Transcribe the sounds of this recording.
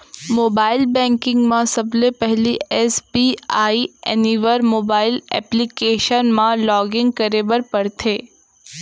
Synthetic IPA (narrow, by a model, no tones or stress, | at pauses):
moːbaːɪlbɛ̃ːŋkɪ̃ŋɡmãsɐblepɛɦliɛːsbiaːiɛniʋəɾmoːbaːɪlɛ̰ːplikeːʃənmãlɔːɡɪ̃ŋɡ̚kəɾeʋəɾpɐɾt̪ʰeː